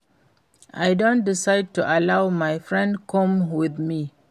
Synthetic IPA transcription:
ʔajdõntdɪsaɪd̚tuʔalawmajfɹɛ̃ndkʰɔ̃mwɪðmi

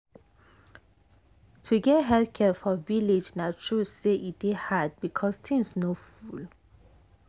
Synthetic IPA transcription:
tʰuɡɛtɦɛlkʰɛfɔvilid͡ʒnatʰɹuseʔit̚dehad̚bikʰɔst̪ʰĩŋsnoful

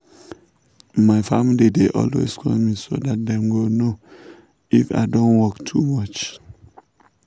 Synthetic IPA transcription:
maɪfamilideʔɔ̰lwḛskʰɔ̰miso̰dat̚dɛ̃mɡono | ifa̰ɪdõnwɔktʰumʌt͡ʃ

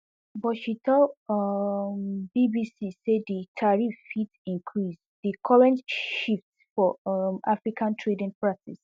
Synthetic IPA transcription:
bɔʃitʰɔ | mbibisiseditʰaɹifitĩnkʰɹis | dikʰɔɹɛ̃ntʃift | fɔʔafɹikʰãntʰɹedĩnpʰɹatis

